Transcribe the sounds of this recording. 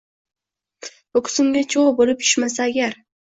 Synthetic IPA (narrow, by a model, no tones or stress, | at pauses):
bʊkʰʊ̥sɪmɡʲat͡ʃʰoʁbolɪp̚jʰʊ̥ʃmasaːɡʲaɾ